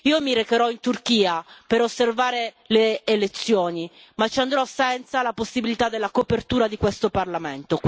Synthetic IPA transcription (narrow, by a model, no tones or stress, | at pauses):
iːomiɾekeɾɔint̪urkiːapeɾosːervaːɾe | leːlet̪sːjoːni | mat͡ʃːiand̪ɾɔsɛnt̪salaposːibilit̪ad̪ːelːakopert̪uːɾad̪ikwest̪oparlament̪ok